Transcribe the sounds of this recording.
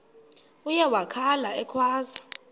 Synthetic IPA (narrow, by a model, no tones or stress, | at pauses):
ujɛwakʰalaɛkʰwaːza